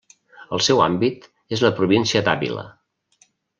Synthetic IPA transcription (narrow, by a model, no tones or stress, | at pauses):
əlˠsɛwa̰mbit̪ | ezləpɾuβinsiəd̪aβḭlə̰